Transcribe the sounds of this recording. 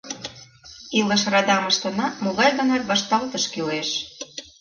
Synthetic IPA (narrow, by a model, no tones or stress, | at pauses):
ilə̆ʃrɑd̪ɑməʃt̪ɤ̆nɑmuɣɑʒd̪ɤ̆nerβɑʃt̪ɑlt̪ə̆ʃkileʃ